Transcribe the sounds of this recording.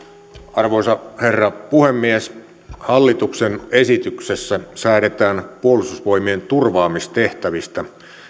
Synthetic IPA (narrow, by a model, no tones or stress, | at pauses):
ɑrʋosɑherːɑpuhemːies | hɑlːit̪uksenesit̪yksesːæsæːɾet̪æːnpuolist̪usʋo̞imient̪urʋɑːmist̪e̞ht̪æʋist̪æ